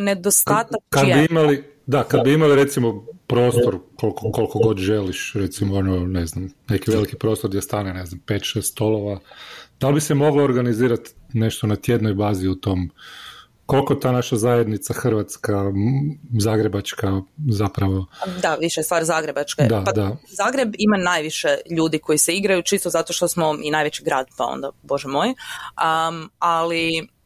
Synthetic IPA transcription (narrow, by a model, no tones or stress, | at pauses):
ned̪ost̪atakaad̪biimali | d̪akad̪̚biimaliɾe̞t̪simo̞pɾo̞ːst̪o̞ɾkolkoko̞lkoɡo̞d̪ʒeliʃɾe̞t̪simoonone̞znamne̞kiʋe̞likipɾo̞ːst̪oɾd̪jest̪aːnene̞znampeːt̪ʃest̪st̪o̞loʋad̪albisemo̞ɡloːɾɡaniziːɾat̪ne̞ʃt̪onat̪je̞d̪nojbaːziut̪o̞m | ko̞lˠkot̪aːnaʃazajed̪nit̪saxr̩ʋat̪ska | zaːɡɾebat͡ʃkazapɾaʋo̞d̪aʋiʃest̪ʋaːɾzaːɡɾe̞bat͡ʃkḛd̪aad̪azaːɡɾebimanajʋiʃeʎuːd̪iko̞jiseiɡɾajut͡ʃist̪ozat̪oʃt̪osmo̞inaːjʋet͡ɕiɡɾaːd̪pao̰nd̪abo̞ʒɛmo̞jaali